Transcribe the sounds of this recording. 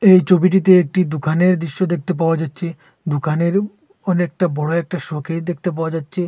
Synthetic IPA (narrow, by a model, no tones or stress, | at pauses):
ejt͡ɕʰobiʈ̬it̪eek̚ʈid̪ukʰaneɾd̪ɾiʃːod̪ek̚t̪ep̬aoad͡ʑatːɕʰe | d̪ukʰaneɾ | ɔnek̚ʈabɔɽoɛk̚ʈaʃokʰed̪ek̚ʰt̪ep̬aoad͡ʑatːɕʰe